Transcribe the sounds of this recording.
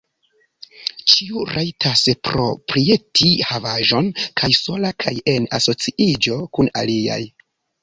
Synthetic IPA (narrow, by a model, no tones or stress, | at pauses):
t͡ʃiuɾʔajtʰaspɾo̞̰pɾie̞tʰihavaʒo̞nkʰajso̞lakʰaje̞naso̞t͡siʔid͡ʒo̞kuna̰lia̰j